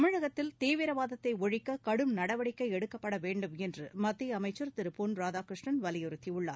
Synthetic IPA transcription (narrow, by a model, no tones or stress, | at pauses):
ɐmɪɻɐɣɐt̪ːɪlt̪iːʋɪɾɐʋaːðɐt̪ːɐɪɔɻɪkːɐkɐɽɯmnɐɽɐʋɐɽɪkːɐɪɛɽɯkːɐpːɐɽɐʋeːɳɖɯmɛndrɯmɐt̪ːiɐmɐɪt͡ʃːɯɾt̪ɪɾɯpːoːnɾaːðaːkɾɪʂʈɳɐnʋɐlɪjɔɾɯt̪ːiʊɭːa̰ː